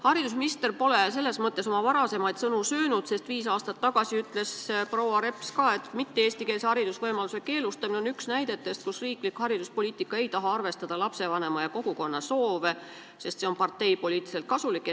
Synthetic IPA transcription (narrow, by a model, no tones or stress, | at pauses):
hɑɾid̪̥us̬minist̪e̞rpo̞les̬e̞lːe̞smɤt̪ːˑe̞so̞mɑvɑɾɑse̞mɑjd̪̥sɤnusøːnud̪̥se̞st̪viːsɑːst̪ɑt̪ːɑɡ̥ɑsiyt̪ːˑle̞sprowɑɾe̞pskɑe̞t̪ːˑmit̪ːeeːst̪ike̞ːshɑɾid̪̥usvɤjmɑluse̞ke̞ːlust̪ɑmineo̞nyksnæjd̪̥e̞t̪ːˑe̞st̪̚kusriːklikhɑɾid̪̥uspo̞liːt̪ːˑikːˑɑe̞jt̪ɑɦɑɑrve̞st̪ɑd̪̥ɑlɑpse̞vɑne̞mɑjɑko̞ɡ̥uko̞nːɑso̞ːve | se̞st̪se̞o̞npɑrt̪ːe̞jpo̞lʲiːt̪ːˑi̥se̞lt̪kɑsulikːˑ